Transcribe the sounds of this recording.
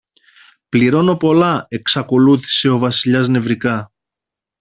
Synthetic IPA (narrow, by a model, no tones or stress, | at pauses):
pliɾo̞no̞po̞lɐe̞ksɐko̞luθi̥se̞o̞vɐsiʎɐzne̞vɾikɐ